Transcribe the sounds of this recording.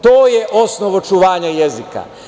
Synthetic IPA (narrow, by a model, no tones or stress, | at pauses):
t̪o̞ːjeʔo̞snoʋo̞t͡ʃuʋaːɲajezika̰